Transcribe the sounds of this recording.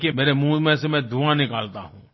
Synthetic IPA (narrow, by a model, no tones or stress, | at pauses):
kemeːɾemũːmẽsemɛ̃d̪uanɪkaːlt̪a̰ɦũː